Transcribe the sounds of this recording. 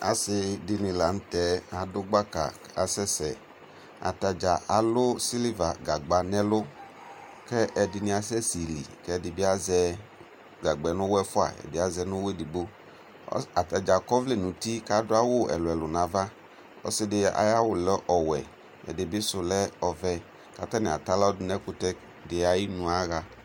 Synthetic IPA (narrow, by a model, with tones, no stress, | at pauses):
a̰˨sɪ˧dɪ˧nɪ̃˧la˨n̩˦tɛ˨˦a˨dʊ˦ɡ͡ba˦ka̰˨˦a˨sɛ˦sɛ˨ | a̰˨ta˨d͡ʒa˨a˨lʊ˦si˦li˦va˨ɡa˨ɡ͡ba˨nɛ˦lʊ˦ | kɛ˦ɛ˨dɪ˨nɪ̃˧˦a˨s̬ɛ˦si˨lḭ˨kɛ˦˨dɪ˨bɪ˦a˦zɛ˧ | ɡa˨ɡ͡bɛ˨˦nʊ̃˦wɛ˦fʊ˦a̰˨ɛ̰˨dɪ˨˦a˨zɛ˧nʊ̃˦we˦di˨ɡ͡bo̰˦ | a˨ta˨d͡ʒa˨kɔ˦vle˨nũ˨ti˦ka˦dʊ˦a˦wʊ˦ɛ̰˨lʊ˨ɛ˨lʊ˨nã˨va˦ | ɔ̰˦sɪ˦dɪ˧a̰˨ja˦wʊ˨lɛ˦ʔɔ˨wɛ̰˨ | ɛ̰˨dɪ˨bɪ˦sʊ˨lɛ˦ɔ˨vɛ˦ | ka˨ta˦nɪ˨a̰˨ta˦la˦dʊ˨˦nɛ˦kʊ˦tɛ˦ | dɪ˨a˨ji˦nʊ̃˨a˦ɣa˨